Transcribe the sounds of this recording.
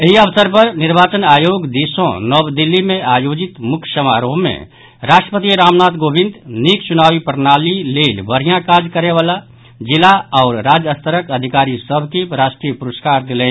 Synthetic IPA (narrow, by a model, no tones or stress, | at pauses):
eɦiəʋsəɾpəɾnɪɾbaːt͡ʃənaːjoːɡd̪isõ̰nɔbd̪ɪlːimẽaːjoːd͡ʒɪt̪mʊkʰsəmaːɾoːɦmḛ̃ | ɾaːʃʈɾəpət̪iɾaːmnaːt̪ɡoːbɪ̃nd̪nikt͡ʃʊnaːwipəɾnaːlileːlʋəɾijãkaːd͡ʒkəɾeʋaːla | d͡ʒɪlaɔːɾɾaːd͡ʒəst̪əɾəkəd̪ʱikaːɾisəbʱkiɾaːʃʈɾiːəpʊɾəskaːɾd̪ɪlẽː